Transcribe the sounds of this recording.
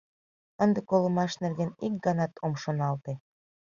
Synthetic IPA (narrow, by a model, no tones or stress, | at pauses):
ənd̪ekolə̆mɑʃnerɣenik̚ɡɑnɑt̪ʰomʃonɑlt̪e